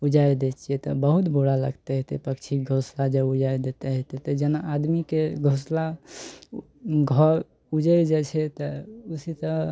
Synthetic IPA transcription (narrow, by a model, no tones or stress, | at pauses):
ud͡ʒajd̪et͡ʃʰijɛt̪ɔbəɦut̪boɽalə̰ɡt̪ɛɦɛt̪epəkt͡ʃʰiɡʱoslad͡ʒəud͡ʒaed̪et̪ɛɦɛt̪et̪əd͡ʒenaʔːd̪mikeɡʱosla | ɡʱɔɾ | ud͡ʒəɾd͡ʒɛt͡ʃʰɛt̪ɔusit̪ɔ